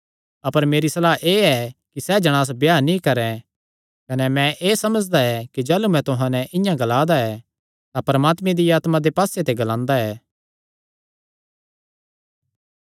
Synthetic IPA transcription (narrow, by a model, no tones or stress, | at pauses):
ɐpəɾmeːɾisɐlaːɦʔeːɛkisɛd͡ʒɐɽ̃aːs̬bjaːnĩkɐɾɛ̃ | kɐnɛmɛ̃ʔeːsɐməd͡ʒd̪aɛkid͡ʒɛːlumɛ̃t̪ʊɦãnɛʔɪjãɡɐlaːd̪aɛ | t̪ãpɐɾɐmaːt̪mẽd̪iaːt̪mãd̪epaːset̪eɡɐlãːnd̪aɛː